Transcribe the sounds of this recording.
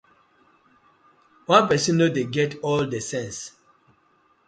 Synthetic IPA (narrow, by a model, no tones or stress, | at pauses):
wãnpɛsĩnːodeɡɛtɔldesɛ̃ns